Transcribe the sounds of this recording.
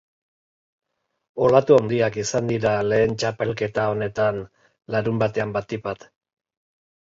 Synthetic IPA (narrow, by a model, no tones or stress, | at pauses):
o̞lat̪uand̪iakisand̪iɾale̞ːnt͡ʃape̞lke̞t̪ao̞ne̞t̪an | laɾumbat̪e̞ambat̪ipat̪